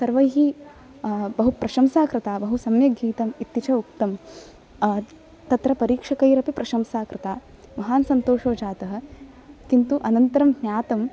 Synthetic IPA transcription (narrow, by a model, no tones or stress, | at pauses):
sɐɾʋɐjɦi | bɐɦupɾɐʃɐmsaːkɾɐt̪aːbɐɦusɐmjɐɡiːt̪ɐmit̪ːit͡ʃʰɐuk̚t̪ɐm | t̪ɐt̪ɾɐpɐɾiːkʂɐkɐjɾɐpipɾʔɐʃɐmsaːkɾɐt̪aː | mɐɦaːnsɐnt̪oːʂoːd͡ʒaːt̪ɐɦɐ̆ | kint̪uʔɐnɐnt̪ɐɾɐmhnjaːt̪ɐm